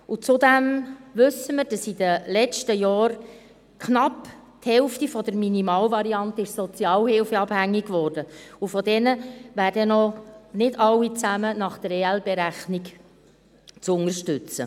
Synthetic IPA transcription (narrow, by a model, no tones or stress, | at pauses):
ut͡sʊd̪ɛmʋɵsːəmɪɾd̥ɑsid̪əlɛt͡ʃtəjɑːɾ | kʰnɑpthɛlftifɔd̥əɾminimɑːlvɑɾiɑnt̪əɪʃsɔt͡sjɑːlhɪlfəɑb̥hæŋːiɡvɔːrd̥əufɔd̪ɛnəvæːɾdənɔnɪdɑlːit͡sæmənɑχd̥̪əɾeɛlbeɾæχnik | t͡sʊŋəɾʃtʉt͡sə̰